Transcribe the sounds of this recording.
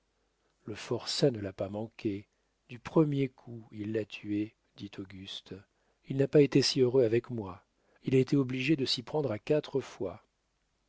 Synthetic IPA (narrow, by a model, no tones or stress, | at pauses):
ləfɔʁsanəlapamɑ̃kʲʰe | d̪ypχəmjekʰuilːat̪ʰye | d̪it̪ʰoɡʲyst̪ | ilnapaet̪esiøʁøavɛkmwa | ilaet̪eɔbliʒed̪əsipχɑ̃d̪ʁakat̪χəfwa